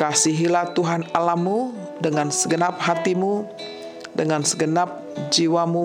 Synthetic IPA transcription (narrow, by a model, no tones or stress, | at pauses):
kasiɦilaht̪uɦanalamːu | dəŋansəɡənap̚ɦat̪imu | dəŋansəɡənap̚ | d͡ʒiwamu